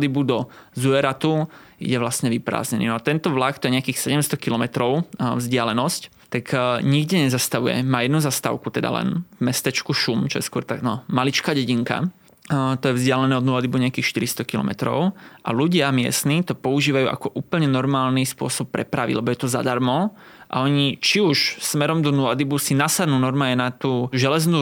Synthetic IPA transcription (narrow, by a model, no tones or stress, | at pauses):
d̪ibud̪ɔzuɛɾat̪uʔḭɟɛʋlasɲɛʋipɾa̰ːzɲɛniːnɔat̪ɛnt̪ɔʋlakt̪ɔjɛɲɛakiːxsɛɟɛmst̪ɔkilɔmɛt̪ɾɔʊvzɟɪalɛnɔsc | t̪akɲiɡd̪iɲɛzast̪aʋujɛ̰maːjɛd̪nuzast̪a̰ʊkut̪ɛd̪a̰lɛ̰nvmɛst̪ɛt͡ʃkuʃumt͡ʃɔjɛskʊɔ̰ɾt̪aɡnɔmalit͡ʃkaːɟɛɟiŋka̰ | t̪ɔjɛvzɟɪalɛnɛːɔd̪nulad̪ibuɲɛakiːxʃt̪iɾist̪ɔkilɔ̰mɛ̰t̪ɾɔ̰ʊʔa̰luɟɪamɪɛ̰snit̪ɔpɔuʒiːʋajuːʔa̰kɔʔuːpl̩ɲɛnɔɾmaːlnispʊɔsɔp̚ːɾɛ̰pɾaʋḭlɛbɔjɛt̪ɔza̰d̪aɾmɔ | ʔa̰ɔɲit͡ʃiuʃsmɛɾɔmd̪ɔnulad̪ibusinasad̪nunɔɾmajɛnat̪uːʒɛlɛznuː